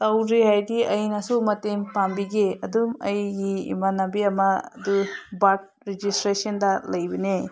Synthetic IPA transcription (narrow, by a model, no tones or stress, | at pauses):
tɐwɾihajdiɐjnɐsumɐteŋpambiɡeɐdumɐjɡimɐnabiɐmɐdubat̚ | ɾed͡ʒistɾesɐndɐlɐjbɐne